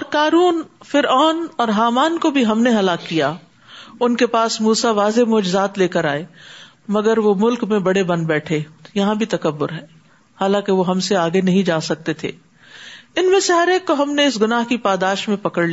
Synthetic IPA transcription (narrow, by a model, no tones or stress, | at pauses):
ɔːɾkaːɾuːnfɪɾaːnɔːɾɦaːmaːnkobʱiɦɐmneɦɐlaːkːijaː | ʊnkepaːsmuːsaʋaːzemɔːd͡ʒɪzaːt̪leːkəɾaːe | mɐɡəɾʋomʊlkmẽbɐɽebɐ̃nd̪̚bɛːʈʰejɐɦãbʱit̪ɐkɐbːʊɾɦɛː | haːlãːkeʋoɦɐmseaːɡenɐɦĩd͡ʒaːsɐk̚t̪et̪ʰḛː | ɪnmẽseɦɐɾeːkːoɦɐmneɪsɡʊnaːɦkipaːd̪aːʃmẽpɐkəɽli